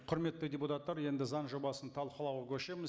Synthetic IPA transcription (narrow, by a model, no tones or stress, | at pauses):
qʰʊɾme̞t̪ːɪdʲe̞put̪ɑt̪ːɑɾje̞nd̪ɪzɑnʒo̞bɑsənt̪ʰɑlˠqəlˠɑwkʲʰɵʃe̞mɪz